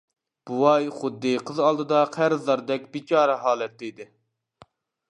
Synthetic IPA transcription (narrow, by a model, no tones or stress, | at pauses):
b̥uwɑjχʊd̪ːɨqʰəzɑlˠd̪ɨd̪ɑqʰæɾɨzlɑɾd̪ɛkʲbit͡ʃʰɑːɾɛɦɑːlˠɛt̪ːɪjd̪ɪ